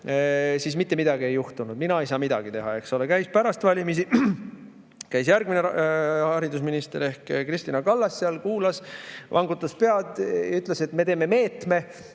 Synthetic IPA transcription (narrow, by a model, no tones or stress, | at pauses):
sismit̪ːe̞mid̪̥ɑɡie̞juht̪unud̪̚minɑe̞jsɑːmid̪̥ɑ̰ɡ̥it̪e̞ɦɑ̰e̞kso̞lekæjspæɾɑst̪vɑlʲimis̬i | kæjsjæɾɡ̥̚minehɑɾid̪us̬minist̪e̞ɾe̞hkkrist̪inɑkɑlːɑsːeɑlkuːlɑsʔɑ̰ŋɡut̪ːˑɑspeɑd̪jɑ̰yt̪ːˑlese̞t̪ːme̞t̪e̞ːme̞me̞ːt̪me̞